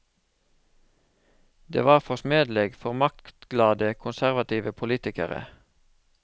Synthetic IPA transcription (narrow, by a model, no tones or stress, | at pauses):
d̪ḛːʋɑːʁfɔsmeːd̪lɛɡfɔʁmɑkkt̪ɡlɑːd̪əkʰʊnsæʁʋɑt̪iːʋəpʰʊliːt̪ɪkəʁə̰